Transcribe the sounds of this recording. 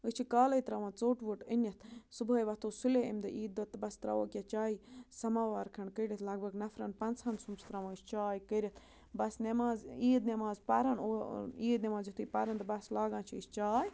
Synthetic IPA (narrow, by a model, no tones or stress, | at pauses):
ɨt͡ʃʰikaːlɐjt̪ɾɐʋãːt͡soːʈʋuʈinʲɐt̪ʰsuboːjʋɐt̪oːsuleimd̪ɨʔiːd̪ɐt̪ːbɐst̪ɾa̰ʋoːkʲjat͡ʃaːiːsɐmaːʋaɾkʰɐɳkəɾʲit̪ʰlɐɡ̚bʱɐɡnɐfɾɐnpɐnt͡shɐnsumsʰt̪ɾɐʋãɨst͡ʃaːjkəɾʲit̪ʰ | bɐsnemaːziːd̪nemaːzpɐɾɐnoːiːd̪nʲemaːzjit̪ʰupɐɾɐnd̪ɨbɐslaːɡãːnt͡ʃʰiist͡ʃaːj